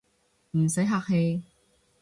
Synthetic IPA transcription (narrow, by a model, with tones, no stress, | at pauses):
m̩˨˩sɐ˨˥jɦaː˧k̚he˧j